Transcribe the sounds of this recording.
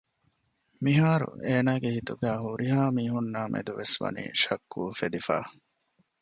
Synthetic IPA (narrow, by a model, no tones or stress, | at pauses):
miɦaːɾṵʔeːnaːɡehit̪uɡæːɦuɾiɦaːmiːɦunːaːmʔḛd̪uʋesʋɐ̰nḭːʃɐkʰːuːfed̪ifa̰ː